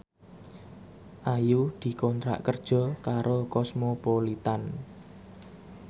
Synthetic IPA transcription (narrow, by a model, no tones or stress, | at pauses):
ʔajud̪̥i̤kɔnt̪ɾa̰ʔkərd̥ʒ̥ɔ̤kaɾokɔsmopolit̪an